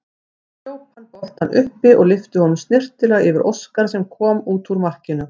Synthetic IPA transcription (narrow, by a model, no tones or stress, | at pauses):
joːwt̪ankɔht̪hanːʔʏhpɪʔɔɣlɪft̪ʏhɔnʏmst̪nɪr̥t̪ɪlɛaɪvɪɾʔo̰wskaɾ̥s̬ɛmkʰɔːmuːt̪uɾmar̥cɪnʏ